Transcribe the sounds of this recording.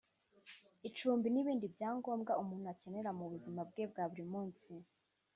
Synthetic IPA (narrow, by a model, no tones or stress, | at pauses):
it͡ʃuːmbiniβiːndibɟaːŋɡo̞ːmɡaʔumuːn̤̥uace̞ne̞ɾamuβuzimab̚ɡe̞b̚ɡaːβuɾimuːnsi